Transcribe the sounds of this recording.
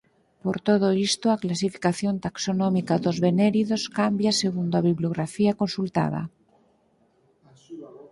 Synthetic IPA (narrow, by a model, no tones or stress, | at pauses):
poɾt̪oð̞oist̪oaklas̬ifi̥kaθjont̪aksonõmikaðozβeneɾiðoskambjaseɣund̪oaβiβloɣɾafiakonsult̪a̰ð̞a̰